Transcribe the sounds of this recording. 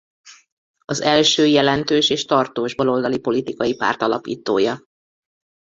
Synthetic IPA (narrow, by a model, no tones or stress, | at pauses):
ɒzɛlʃøːjɛlɛnt̪øːʃeːʃt̪ɒrt̪oːʒbolo̞ld̪ɒlipo̞lit̪ikɒjipa̰ːrt̪ɒlɒ̰pḭːt̪oːjɒ